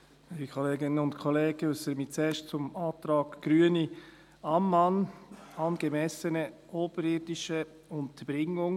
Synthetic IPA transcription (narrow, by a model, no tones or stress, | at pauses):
ilikʰɔleːɡɪnənʊntkʰɔleːɡ̥əʊsəɾəmit͡sɛːʃt͡sʊmɑːt̪ɾɑːɡɡ̥ɾyəni | ɑmːɑnɑnɡ̥əmɛsənəʔoːb̥əɾɪɾdɪʃə | ʊnt̪əb̥ɾɪŋʊŋ